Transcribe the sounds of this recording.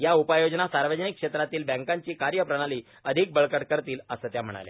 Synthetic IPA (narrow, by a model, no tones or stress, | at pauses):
jaupəjod͡ʑnasaɾʋəd͡ʑənikːʂet̪ɾat̪iːlbɛ̃ŋkaɲt͡ɕiːkaɾjəpɾəɽ̃aliː | əd̪ʱik̚bəɭkəɽkəɾt̪iːləsəːt̪jam̤əɽ̃a̰lḛ